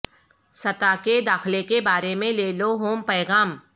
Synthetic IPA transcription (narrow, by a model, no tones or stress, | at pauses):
sɐt̪aked̪aːxlekebaːɾemẽleːloɦoːmpɛːɣaːm